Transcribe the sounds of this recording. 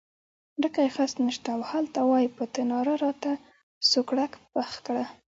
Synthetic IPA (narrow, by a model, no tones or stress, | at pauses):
ɖəkajxasnəʃt̪awhalt̪awɑjipət̪ɪnɑɾaɾɑt̪a | sokɽakpaxkɽa